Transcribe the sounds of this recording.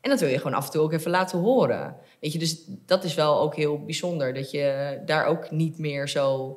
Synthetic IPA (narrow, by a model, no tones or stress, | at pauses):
ʔɛndɔtʋɪlˠjəχəʋoːnɑ̰fəntuːowkɛfəlaːtəɦoːɾə̰ | ʋejcədøsd̥ɑtɪsʋɛlˠowkɦɪːlˠbizɔndəɹdɑtjədaːɹʔowknitmɪːɹzow